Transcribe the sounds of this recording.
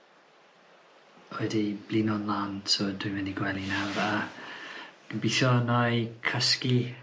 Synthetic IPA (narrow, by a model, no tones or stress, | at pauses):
ojdib̥linɔnlˠaːntʰɔdɪmɛniɡwɛlˠinawɾa | ɡ̥əbiθɔnajkʰəski